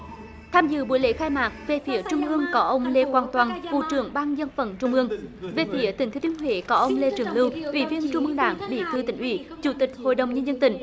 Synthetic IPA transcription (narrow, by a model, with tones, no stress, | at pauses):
t̪ʰaː˧mzɨ̰˧˨ɓṵ˨˧˦əjlḛ˧˥˦xaː˧jmaː˨˩k̚ve˨˩fi˨˦ət͡ɕʊ˧wŋ͡mʔɨ˧əŋkɔ˨˦ʔə˧wŋ͡mle˧kwaː˨˩nt̪waː˨˩nvṵ˧˨t͡ɕɨ˧˩əŋɓaː˧ŋzə˧nfə˧˩nt͡ɕʊ˧wŋ͡mʔɨ˧əŋve˨˩fi˨˦ət̪ï˨˩ŋ̟t̪ʰːt̪i˧˦ənɦwḛ˧˩˦kɔ˨˦ʔə˧wŋ͡mle˧t͡ɕɨ˨˧˩əŋlɨ˧wʔwḭ˧˩˦vi˧ənt͡ɕʊ˧ŋ͡mʔɨ˧əŋɗa̰ː˧˩˦ŋɓḭ˧˩t̪ʰɨ˧t̪ï˧˩ŋʔwḭ˧˦t͡ɕu˧˩t̪ï˨˩k̟̚ho̰˧˨jɗə˨˩wŋ͡mɲə˧nzə˧nt̪ï˧˩ŋ̟